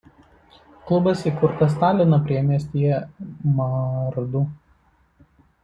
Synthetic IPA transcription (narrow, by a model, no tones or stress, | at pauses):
klˠʊbɐsikʊɾt̪ɐs̬t̪ɑːlʲɪnɐpʲɾʲiɛmʲiɛsʲt̪ʲijɛmɐɾd̪u